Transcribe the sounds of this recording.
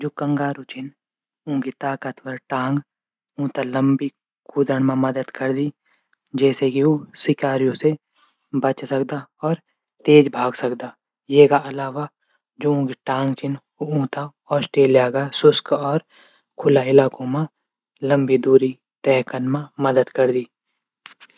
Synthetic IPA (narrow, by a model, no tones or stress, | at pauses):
d͡ʒoːkə̃ŋɡaːɾõt͡ʃʰɪn | ʊ̃ːɡit̪aːkət̪ʰʋəɾʈãːŋɡ | ũːt̪aləmbi | kuːd̪əɳmãmɐd̪əd̪kəɾd̪i | d͡ʒɛːsekioːsɪkaːɾijõse | bət͡ʃsəkd̪aɔːɾ | t̪eːd͡ʒbʱaːɡsəkd̪aː | jeːkaʔɐlaːʋa | d͡ʒoːõːkiʈãːŋɡt͡ʃɪn | oũːt̪a | ɔːsʈeːlɪjakasʊskɔːɾ | kʰʊlaɪlaːkõmã | lə̃mbid̪uːɾi | t̪ɛːkənmãməd̪əd̪kəɾd̪iː